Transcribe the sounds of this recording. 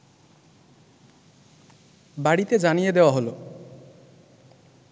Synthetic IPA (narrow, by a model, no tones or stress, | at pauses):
baɽit̪ed͡ʒanijed̪ewaɦolo